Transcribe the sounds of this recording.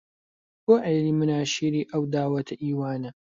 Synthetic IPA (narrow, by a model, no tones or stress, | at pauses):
boʕejliːmɨnaːʃiːɾiːʔɐwd̪aːwɐt̪ʰɐʔiːwaːnɐ